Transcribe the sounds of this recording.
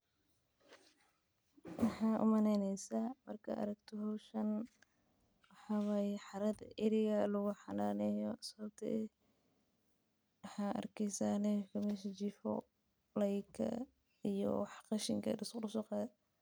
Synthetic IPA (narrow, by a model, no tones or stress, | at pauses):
wɑħɑːʔʊ̰mɐnɛnɛjsamɐrkʰɐʔɐ̰ɾɐɡt̪ʰɔɦɔwʃɐn | wɑħɑwajħɑɾɐd̪ɪɾɪɣɐlʊɣʊħɑnaːnɛːjɔsɐβɐbt̪ʰɐ̰ʔɛ | wɑħɑːʔɐ̰rkʰɛjsaːnɛkʰɐmɛʃɐt͡ʃifɔ̰ | lɐjkʰɐ̰ | ijɔ̰wħqɑʃɪŋkʰɐ̰dɪsrʊsʊqɑ